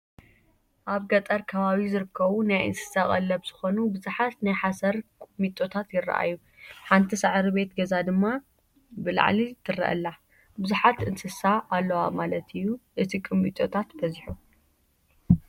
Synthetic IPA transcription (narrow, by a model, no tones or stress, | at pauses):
ʔaβɡɐt̪ʼɐɾkʰɐβaβizɨɾɨkʰːɐβunajʔɨ̰nsɨ̥sakʼɐ̰lːɐβz̥ɨxo̞nubɨzuħat̪najħasɐɾkʼɨmit̪ʼːo̞t̪ʰat̪jɪrːɐ̰ʔa̰jːu | ħant̪ʰisɨʕɾiβe̞t̪ɡɐzad̪ɨmːa | bɨla̰ʕlit̪ʰɨrɐ̰ʔɐ̰lːa | bɨzuħat̪ɨnsɨsaalːɐwamalɐt̪ʰɨjːuʔɨt̪ʰikʼɨmːḭt̪ʼot̪ʰat̪bɐzħu